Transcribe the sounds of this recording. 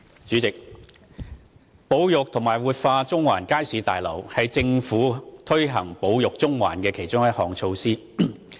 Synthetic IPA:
t͡ʃyː˨˥t͡sɪ˨k̚ | po˨˧wjʊ˨k̚t̪ʰʊ˨˩ŋmaː˨˩jwuː˨˩t̚faː˧t͡sʊ˥ŋwaː˨˩nkaː˥jsiː˨˧˥t̪a̰ː˨jlɐ˨˩whɐ˨jt͡sɪ˧ŋfuː˨˥t̪ʰɵ˥ɥɦɐ˨˩ŋpo˨˧wjʊ˨k̚t͡sʊ˥ŋwa̰ː˨˩nkɛː˧kʰe˨˩jt͡ʃʊ˥ŋjɐ˥t̚hɔː˨˩ŋt͡ʃʰo˧wsiː˥

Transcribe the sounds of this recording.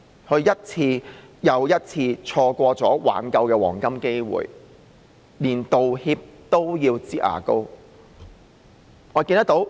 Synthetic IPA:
hɵ˧ɥjɐ˥t̚t͡sʰiː˧jɐ˨˧wjɐ˥t̚t͡sʰiː˧t͡ʃʰɔː˧kʷɔː˧t͡sɔː˨˥wa̰ː˨˥nkɐ˧wkɛː˧wɔ̰ː˨˩ŋkɐ˥mke˥jwṵː˨j | liː˨˩nt̪o˨whiː˧p̚t̪o˥wjiː˧wt͡siː˥ʔa̰ː˨˩ko˥w | ŋɔː˨˧kiː˧nt̪ɐ˥k̚t̪o˨˥w

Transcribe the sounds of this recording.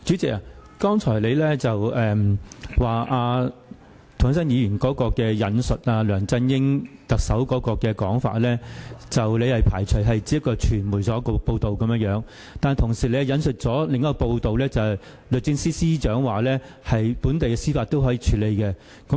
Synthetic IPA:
t͡ʃyː˨˥t͡sɪ˨k̚aː˨kɔː˥ŋt͡ʃʰɔː˨˩le˨˧jlɛː˥t͡sɐ˨wɛː˨mwaː˨ʔaː˧ | t̪ʰʊ˨˩ŋ˥sɐ˥njiː˨˧jyː˨˩nkɔː˨˥kɔː˧kɛː˧jɐ˨nsɵ˨t̚aː˧lœː˨˩ŋt͡sɐ˧njɪ˥ŋt̪ɐ˨k̚sɐ˨˥wkɔː˨˥kɔː˧kɛː˧kɔː˨˥ŋfa̰ː˧˥t̚lɛː˥t͡sɐ˨wle˨˧jhɐ˨jpʰaː˨˩jt͡ʃʰɵ˨˩jɦɐ˨jt͡siː˨˥jɐ˥kːɔː˧t͡ʃʰyː˨˩nmuː˨˩jsɔː˨˥kɔ˧po˧wt̪o˨wkɐ˨˦mjœ˥ŋjœː˨˥ŋ | t̪aː˨n˨t̪ʰʊ˨˩ŋsiː˨˩le˧˥jɐ˨jɐ˨˧nsɵ˨t̚t͡sɔː˨˥lɪ˨ŋɔː˦˥kːɔː˧po˧wt̪o˨wlɛː˥t͡sɐ˨hɛ˨˩j | lɵ˨t̚t͡sɪ˧ŋsiː˥siː˥t͡ʃœː˨˥ŋwaː˨lɛː˥ | hɐ˨jpu˨˥nt̪e˨jkɛ˧siː˥faː˧t̚t̪o˥wɦɔː˨˥jiː˨˧t͡ʃʰyː˨˧˥le˨˧jkɛ˧ | kɐ˨˦˥

